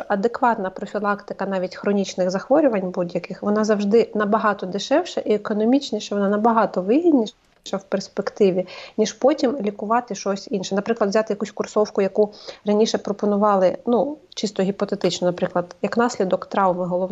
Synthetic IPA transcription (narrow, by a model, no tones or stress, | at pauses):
ʔɐd̪ekʋɑt̪nɐpɾɔfʲilˠɑkt̪ɪ̥kɐnɑʋʲitʲxɾɔnʲit͡ʃnɪɣzɐxʋɔɾʲʊʋɐnʲbudʲjɐkɪxʋɔnɑzɐwʒd̪ɪnɐbɐɦɑt̪ɔd̪ɪʃɛwʃɐʔiekɔnɔmʲit͡ʃnʲiʃɐʋɔnɑnɐbɐɦɑt̪ɔʋɪɦʲid̪ʲnʲi | ʃɐwperspekt̪ɪʋʲinʲiʃpɔtʲimlʲikʊʋɑt̪ɪʃɔsʲinʃɛnɐpɾɪklˠɐd̪ʋzʲat̪ɪjɐkusʲkʊrsɔwkʊjɐkurɐnʲiʃɛpɾɔpɔnʊʋɑlˠɪnut͡ʃɪst̪ɔɦʲipɔt̪et̪ɪt͡ʃnɔnɐpɾɪklˠɐd̪jɐknɑsʲlʲid̪ɔkt̪ɾɑwmɪɦɔlˠɔ